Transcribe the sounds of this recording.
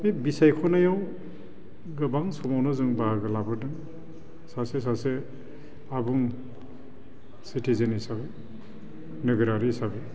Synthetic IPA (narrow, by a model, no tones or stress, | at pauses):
mibisajkʰɔnajaw | ɡɯbaŋsɔmawnɯzuŋbaaɾɡɯlabɯɾdɯŋ | sases̬ase | abuŋ | sitʰizenisabe | nɯɡɯɾaɾisabe